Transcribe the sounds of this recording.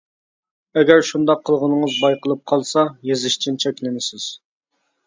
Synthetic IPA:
ɛɡʲæɾʃund̪ɑqʰːəlˠʁənɨŋəzbɑjqəlˠɨp̚qʰɑlˠsɑjezɪʃt͡ʃʰint͡ʃʰɛkʲlɪnɪsɪz̥

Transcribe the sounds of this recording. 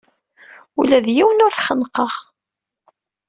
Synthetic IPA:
ulæðjiwənʊɾθχənːqəʁ

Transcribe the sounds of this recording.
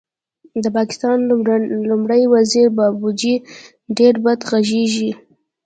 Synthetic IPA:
d̪əpɑkɪ̥st̪ɑnlʊmɽəjwaziɾbabud͡ʒi | ɖeɾbad̪ɣaʒeʒi

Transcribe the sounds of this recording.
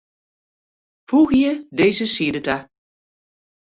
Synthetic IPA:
fuɣjədeːzəsidəta

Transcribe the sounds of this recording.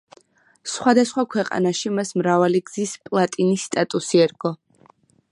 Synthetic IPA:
sχwad̪asχwakʰwɛqʼa̰naʃimasmɾavaliɡz̥ispʼlˠat̪ʼinisːt̪ʼat̪ʼusiɛɾɡɔ

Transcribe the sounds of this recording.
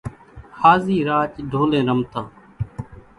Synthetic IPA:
haːziːɾaːt͡ʃɖʱoːlẽːɾəmt̪ãː

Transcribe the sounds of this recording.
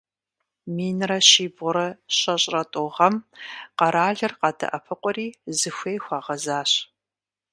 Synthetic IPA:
miːnrɐɕiːbʊɾɐɕɐɕʼrɐtʼʊʁɐmqɐɾaːɮɐrqɑdɐ̰ʔɐpʰɨqʷɔriːzɨxʷeːjxʷɑːʁɐzaːɕ

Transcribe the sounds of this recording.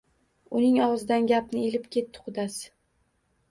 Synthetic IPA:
ʊnɪŋɒʁɨzɪd̪anɡʲap̚nɪelɪpkʲʰe̞t̪ʰːɪ̥qʰʊd̪asɪ̥

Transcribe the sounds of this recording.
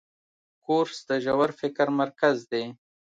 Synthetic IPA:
koɾsd̪əʒawaɾfɪkɾmaɾkazd̪e

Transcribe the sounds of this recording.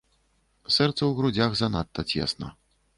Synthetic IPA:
sɛrt̪sɐwɣɾud͡zʲaɣzanat̪ːɐt͡sʲɛ̰snɐ̰

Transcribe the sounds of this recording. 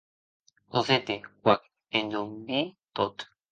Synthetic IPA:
oset̪ewʷak | end̪ombit̪ot̪

